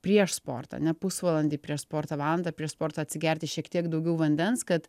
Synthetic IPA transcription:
pʲɾʲiɛʃspo̰ːrt̪ɐ̰ːnʲɛpʊsʋɑlˠɐnʲd̪ʲɪːpʲɾʲiɛʃspoːrt̪ɐʋɑːlˠɐnd̪ɐːpʲɾʲiɛʃspoːɾt̪ɐːɐt̪ʲsʲɪɡʲæɾʲt̪ʲɪʃʲiɛkt̪ʲiɛkd̪ɐʊɡʲɛʊʋɐnʲd̪ʲɛnskɐt̪

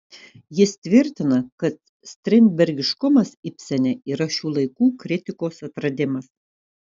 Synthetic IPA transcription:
jɪst̪ʲʋʲɪɾʲt̪ʲɪnɐkɐt̪ | sʲt̪ʲɾʲɪmʲbʲɛɾʲɡʲɪʃkʊmɐsɪpʲsʲɛnʲɛiːɾɐʃʲuːlˠɐɪkuːkɾʲɪt̪ʲɪkoːsɐt̪ɾɐd̪ʲɪmɐs

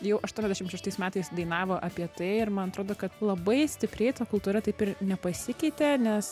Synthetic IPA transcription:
jɛʊʔɐʃt̪uɔnʲɛzʲd̪ʲɛʃɪmʃʲɛʃt̪ɐɪsmʲæːt̪ɐɪsd̪ɐɪnɑːʋoːʔɐpʲiɛt̪ɐɪɪɾmɐnɐt̪ɾoːd̪oːkɐt̪lˠɐbɐɪsʲt̪ʲɪpʲɾʲɛɪt̪ɐːkʊlˠt̪uːɾɐt̪ɐɪpɪɾnʲɛpɐsʲɪkʲɛɪt̪ʲenʲɛs

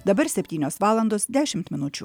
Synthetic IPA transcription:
d̪ɐbɐɾsʲɛpʲt̪ʲiːnʲoːsʋɑːlˠɐnd̪oːsd̪ʲæːʃʲɪmt̪mʲɪnʊt͡ʃʲʊ

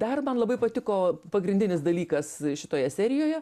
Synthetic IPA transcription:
d̪ɐrmɐnlˠɐbɐɪpɐt̪ʲɪkoːpɐɡɾʲɪnʲdʲɪnʲɪsd̪ɐlʲiːkɐsʃʲɪt̪oːjɛsʲɛːɾʲɪjoːjɛ

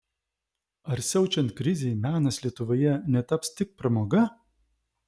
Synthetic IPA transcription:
ɐɾsʲɛʊt͡ʃʲɛnt̪̚kɾʲɪzʲeɪmʲæːnɐslʲiɛt̪ʊʋoːjɛnʲɛt̪ɐpst̪ʲɪk̚pɾɐmoːɡɐ

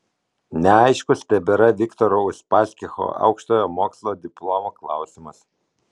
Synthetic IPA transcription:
nʲɛɑɪʃkʊsʲt̪ʲɛbʲɛɾɐʋʲɪkt̪ɔɾɔʊʃpɑːsʲkʲɪxo̰ʔɐ̰ʊkʃt̪oːjɔmoːkslˠoːd̪ʲɪplˠɔmoklˠɑ̰ˑʊsʲɪmɐs

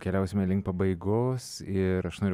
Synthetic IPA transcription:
kʲɛlʲɛʊsʲɪmʲɛlʲɪŋk̚pɐbɐɪɡoːs | ɪɾɐʃnoːɾʲ

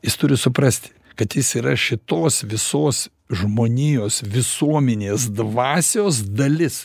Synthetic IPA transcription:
jɪst̪ʊɾʲɪsʊpɾɐsʲt̪ʲɪ̥ | kɐt̪jɪsiːɾɐʃʲɪt̪oːsʋʲɪsoːs | ʒmoːnʲiːjoːsʋʲɪsuɔmʲɛnʲeːsd̪ʋɑːsʲoːsd̪ɐlʲɪs

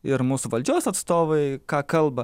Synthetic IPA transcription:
ɪɾmuːsʊʋɐlʲd͡ʒʲuːsɐt̪st̪oːʋɐɪkɑːkɐlˠbɐ

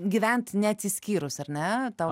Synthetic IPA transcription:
ɡʲiʋʲɛnt̪nʲɛɐt̪ʲsʲɪsʲkʲiːɾʊsɐɾʲnʲɛt̪ɑʊ

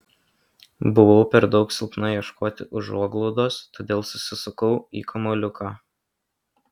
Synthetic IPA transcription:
bʊʋɒʊpʲɛɾd̪ɒʊksʲɪlˠp̪nɐjɛʃkoːt̪ʲɪʔʊʒuɔɡlˠɔʊd̪oːst̪oːd̪ʲeːlˠsʊ̥sʲɪsʊkɐʊḭːkʰɐmɔlʲʊkʰɑː

